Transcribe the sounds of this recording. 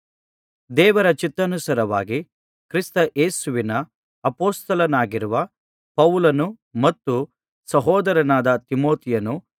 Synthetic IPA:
d̪ɛːʋɐɾɐt͡ʃit̪ːɐnusɐɾɐʋa̰ːɡi | kɾist̪ɐʔeːsuʋinɐ | ɐpoːst̪ɐlɐnaːɡiɾuʋɐ | pɐʋlɐnu | mɐt̪ːu | sɐɦɔːd̪ɐɾɐnaːd̪ɐt̪imoːt̪ijɐnu

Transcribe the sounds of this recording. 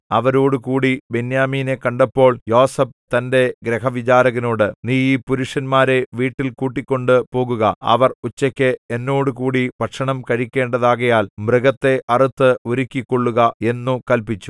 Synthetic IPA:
ɐʋɐɾo̞ːɽukuːɽibenjaːmiːne̞kɐɳɖɐpːo̞ːɭjo̞ːsɐb̚t̪ɐnde̞ɡɾeɦɐʋit͡ɕaːɾɐɣɐno̞ːɽɨniːiːpuɾuʂɐnmaːɾe̞ʋiːʈːilkuːʈːikʲːo̞ɳɖɨpo̞ːɣuɣɐɐ̰ʋɐrut͡ɕːɐkʲːɨenːo̞ːɽukuːɽipɐʈʂɐɳɐmkɐɻikʲːe̞ːɳɖɐðaːɣɐjaːlmrɨɣɐt̪ːe̞ʔɐrit̪ːɨoɾikʲːikːoɭːuɣɐe̞nːukɐlpit͡ɕːu̥

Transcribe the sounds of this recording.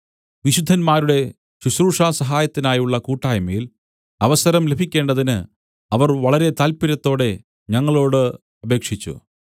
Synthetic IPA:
ʋiɕud̪ʱːɐnmaːɾuɽe̞ | ɕusɾuːʂaːsɐɦaːjɐt̪ːinaːjuɭːɐkuːʈːaːjɐmɐjil | ɐʋɐsɐɾɐmle̞bʱikʲːe̞ːɳɖɐðinɨ | ɐʋɐrʋɐɭɐɾe̞t̪aːlpiɾɐt̪ːo̞ːɽe̞ | ɲɐŋːɐɭo̞ːɽɨ | ɐbʱe̞ːkʂit͡ɕːṵ

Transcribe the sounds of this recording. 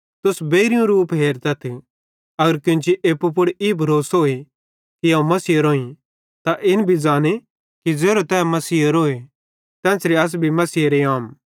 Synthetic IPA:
t̪ʊsbeːɾijũɾuːpɦeːɾt̪ɐt̪ʰi | ɐɡəɾkɪ̃t͡ʃiʔeːpːup̬ʊɽiːbʱɐɾoːsɦoːi | kiãũmɐsiːɾoːĩ | t̪aʔɪnbʱid͡zaːne | kid͡zeːɾot̪ɛːmɐsiːɾoːe | t̪ɛ̃ːsɾiɐs̬bʱimɐsiːɾeaːm

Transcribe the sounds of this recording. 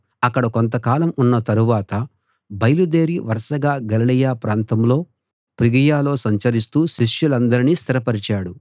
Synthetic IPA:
ɐkːɐɽɐkont̪̬ɐkaːlɐmunːɐt̪ɐɾuʋaːt̪ɐ | bɐjɐlud̪eːɾiʋɐɾɐʂɐɡaːɡɐlɐlɐjaːpɾaːnt̪ɐmlo̞ː | pɾiɡɐjaːlo̞ːsɐɲt͡ʃɐɾis̬t̪uːʃiʂjulɐnd̪ɐɾiniːst̪ʰiɾɐpɐɾit͡ʃaːɽu

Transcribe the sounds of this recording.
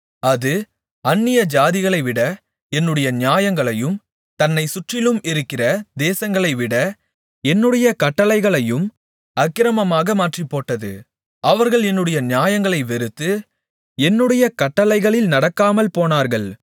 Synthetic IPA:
ɐðɯ | ɐnːɪjɐd͡ʒaːðɪɣɐɭɐɪʋɪɽɐ | ɛnːɯɽɐjɐnɪjaːjɐŋɡɐɭɐjɯm | t̪ɐnːɐɪsʊʈrɪlɯmɪɾɯkːɪrɐd̪eːsɐŋɡɐɭɐɪʋɪɽɐ | ɛnːɯɽɐjɐkɐʈːɐlɐɪɣɐɭɐjɯm | ɐkːɪɾɐmɐmaːɣɐmaːʈripːoːʈːɐðɯ̰ | ʔɐʋɐɾɣɐɭɛnːɯɽɐjɐnɪjaːjɐŋɡɐɭɐɪʋɛɾɯt̪ːɯ | ɛnːɯɽɐjɐkɐʈːɐlɐɪɣɐɭɪlnɐɽɐkːaːmɐlpoːnaːɾɣɐɭ

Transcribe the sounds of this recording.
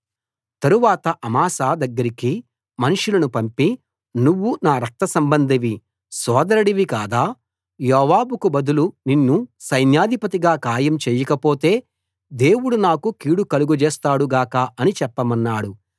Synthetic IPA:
t̪ɐɾuʋaːt̪ɐʔɐmaːsaːd̪ɐɡːɐɾiki | mɐnuʂulɐnupɐmpi | nuʋːunaːɾɐk̚t̪ɐsɐmbɐnd̪ʱiʋi | sɔːd̪ɐɾɐɽiʋikaːd̪aː | jɔːʋaːbukubɐd̪uluninːusɐjnjaːd̪ʱipɐt̪iɡaːkaːjɐmt͡ʃɛːjɐkɐpo̞ːt̪e̞ː | d̪e̞ːwuɽunaːkukiːɽukɐluɡud͡ʒɛːst̪aːɽuɡaːkaːɐnit͡ʃɛpːɐmɐnːaːɽu

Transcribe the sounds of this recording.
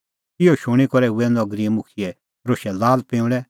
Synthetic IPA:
ɪjɔʃʊɽ̃ikɔɾɛʊɛnd̪ɔɡɾiɛmʊkʰiɛ | ɾoːʃɛlaːlpẽːʊ̃ɽɛ

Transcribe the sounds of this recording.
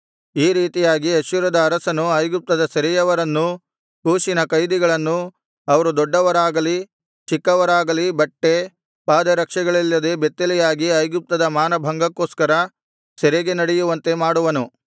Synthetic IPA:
iːɾiːt̪ijaːɡiɐʃuɾɐd̪ɐːɾɐsɐnuɐjɡup̚t̪ɐd̪ɐsɛɾɛjɐʋɐɾɐnːu | kuːʃinɐkɐjd̪iɡɐɭɐnːu | ɐʋɐɾud̪ɔɖːɐʋɐɾaːɡɐli | t͡ʃikːɐʋɐɾaːɡɐlibɐʈːe̞ | paːd̪ɐɾɐkʂɐɡɐɭilːɐd̪e̞bet̪ːelijaːɡiɐjɡup̚t̪ɐd̪ɐmaːnɐbʱɐŋɡɐkːoːskɐɾɐ | sɛɾɛɡenɐɽejuʋɐnt̪e̞maːɽuʋɐnu

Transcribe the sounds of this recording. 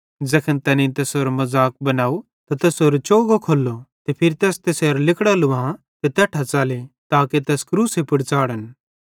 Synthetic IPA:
d͡ʒɐkʰənt̪ɛːnĩt̪ɛːsɦoːɾmɐzaːk̚bɐnaːu | t̪at̪ɛːsɦoːɾot͡ʃoːɡokʰoːlːot̪epʰɪɾit̪ɛːst̪eseːɾlɪkɽalʊã | t̪et̪ɛːʈʰat͡ʃaːlet̪aːket̪ɛːskɾuːsepɪɽt͡saːɽən

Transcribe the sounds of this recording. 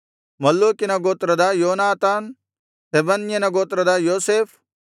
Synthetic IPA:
mɐlːuːkinɐɡoːt̪ɾɐd̪ajoːnaːt̪aːn | t̪ebɐnjɐnɐɡoːt̪ɾɐd̪ajoːseːfʰ

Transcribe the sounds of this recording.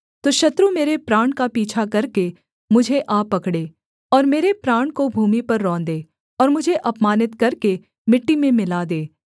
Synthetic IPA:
t̪oːʃɐt̪ɾumeːɾepɾaːɳkapiːt͡ʃʰakɐɾke | mʊd͡ʒʱeʔaːpɐkɽeː | ɔːɾmeːɾepɾaːɳkobʱuːmipɐɾːɔ̃ːnd̪eː | ɔːɾmʊd͡ʒʱeʔɐpmaːnɪt̪kɐɾke | mɪʈːimẽmɪlad̪eː

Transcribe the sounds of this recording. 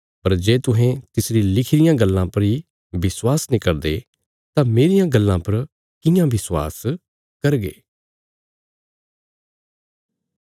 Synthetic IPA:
pɐɾd͡ʒeːt̪ʊɦɛ̃t̪ɪsɾilɪkʰɾɪjãːɡəlːãpɐɾiː | ʋɪswaːsnɪkəɾd̪e | t̪ãːmeːɾɪjãɡəlːãːpɐɾ | kɪ̃jãːʋɪswa̰ːs | kɐɾɡḛː

